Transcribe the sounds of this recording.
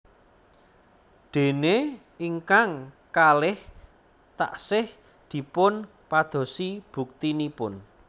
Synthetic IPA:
ɖ̪̥e̤ne | iŋkaŋ | kalɪh | t̪a̰ʔsɪh | d̪̥i̤pʊn | pad̪̥o̤sib̥ṳk̚t̪inipʊn

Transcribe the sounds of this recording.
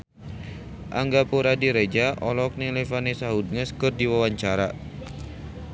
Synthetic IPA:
ʔaŋɡapuɾadiɾed͡ʒaʔɔlɔk̚nilefanesaɦud̚ŋəskərdiwawaɲt͡ʃaɾa

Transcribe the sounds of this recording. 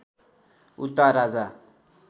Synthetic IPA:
ut̪aɾad͡za

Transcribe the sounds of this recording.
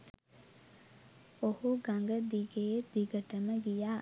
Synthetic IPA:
ohuɡaŋɡəd̪iɡejd̪̥iɡəʈəməɡijaː

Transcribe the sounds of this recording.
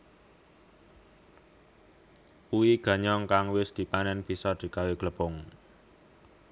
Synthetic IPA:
uwiɡ̥ä̤ɲɔŋkaŋwɪsd̪̥i̤panɛnb̥i̤sɔd̪̥i̤kaweɡ̥ləb̥ɔŋ

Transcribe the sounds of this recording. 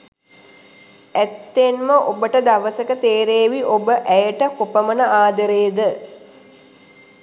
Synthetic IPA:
æt̪ːenməʔobəʈəd̪aʋəsəkət̪eːɾeːʋiʔobəʔæjəʈəkopəmənəaːd̪əɾeːd̪ə

